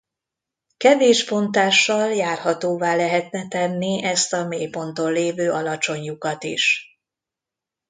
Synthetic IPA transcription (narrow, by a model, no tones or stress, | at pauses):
kɛveːʃpo̞nt̪aːʃːɒljaːrhɒt̪oːvaːlɛɦɛt̪nɛt̪ɛnːiɛst̪ɒmeːjpo̞nt̪o̞nleːvøːʔɒlɒt͡ʃo̞ɲjukɒt̪ḭʃ